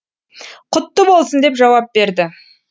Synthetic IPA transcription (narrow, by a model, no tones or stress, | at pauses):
qʰʊt̪ːəbo̞lˠsənd̪e̞pʒɑwɑp̚be̞ɾd̪ɪ